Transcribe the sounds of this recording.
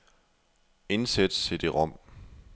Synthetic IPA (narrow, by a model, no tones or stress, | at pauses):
e̝nsed̥st͡sʰe̝ld̥e̝ʁɒ̽m̰